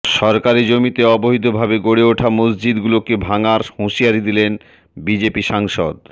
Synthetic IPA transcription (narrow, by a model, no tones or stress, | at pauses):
ʃɔɾkaɾid͡ʑomit̪eɔboɦit̪obʱabeɡoɽeoʈʰamosd͡ʑid̪ɡulokebʱaŋaɾhũʃiaɾid̪ilen | bid͡ʑepiʃaŋʃo̰d̪